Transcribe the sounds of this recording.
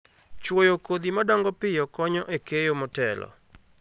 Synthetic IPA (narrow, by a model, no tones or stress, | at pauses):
t͡ʃwojokod̪imadɔŋɡɔpɪjɔkɔɲɔʔekejomɔtɛ̰lɔ̰